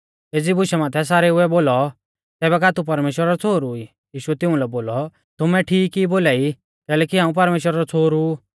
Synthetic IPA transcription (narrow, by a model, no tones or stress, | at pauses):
eːd͡zibʊʃɛmãːt̪ʰɛs̬aːɾɛʊɛboːlɔ | t̪ɛːbɛkaːt̪upɐɾmeːʃwəɾaɾɔt͡sʰoːɾui | jiːʃuɛt̪ɪ̃ũlɛboːlɔ | t̪ʊmɛʈʰiːkːiboːlaːi | kɛːlɛːkiɦãːũp̬ɐɾmeːʃwəɾaɾɔt͡sʰoːɾu